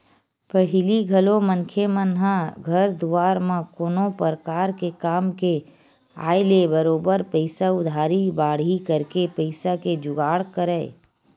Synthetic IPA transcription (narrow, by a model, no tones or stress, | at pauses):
pəɦɪliɡʱəlomə̃ŋkʰemənɦãɡʱəɾd̪uwaːɾmãkoːnopəɾəkaːɾkekaːmke | a̰ːɪlebəɾoːbəɾpəɪsaʊd̪ʱaːɾibaːɽikəɾkepəɪsaked͡ʒʊɡaːɽkəɾɛː